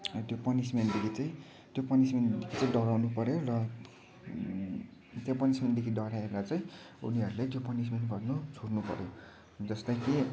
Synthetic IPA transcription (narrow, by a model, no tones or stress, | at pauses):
t̪jopʌnismend̪ekʰit͡saĩ | t̪jopʌnismend̪ekʰit͡saĩɖʌɾawnupʌɾjorʌ | t̪jopʌnismend̪ekʰiɖʌɾaeɾat͡sʌĩ | ṵniʌɾulajt̪jopʌnismenʈbʱʌrnot͡sʰornupʌ̰ɾjo | d͡zʌst̪ʌke